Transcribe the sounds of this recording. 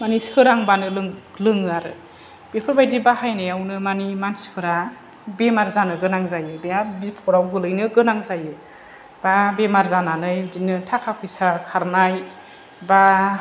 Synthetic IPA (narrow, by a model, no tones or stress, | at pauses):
manisɯɾaŋbanɯlɯŋ | lɯŋaɾɯ̰ | b̥epʰɯɾbajdibahajnɯjawnɯmanimansɯɾa | bemaɾzanɯɡɯnaŋzajɯbeabipʰɔɾawɡɯlɯjnɯɡɯnaŋzajɯ | b̥abemaɾzananɯjdinɯtʰakʰakʰɯjsakʰaɾnaj | ba